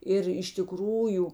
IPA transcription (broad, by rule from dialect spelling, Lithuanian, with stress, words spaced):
ˈɪr ɪʃ tʲɪˈkruːjʊ